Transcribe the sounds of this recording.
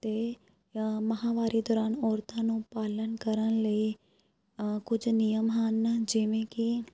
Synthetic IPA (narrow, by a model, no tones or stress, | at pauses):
t̪eː | məɦãːʋaːɾiːd̪ɔːɾaːnɔːɾt̪ãːnũːpaːlənkəɾənləiː | kʊd͡ʒnɪjəmɦənd͡ʒɪʋẽːkɪ